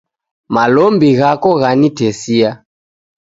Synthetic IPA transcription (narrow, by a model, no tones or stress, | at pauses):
malɔmbiɣakɔɣanitɛsia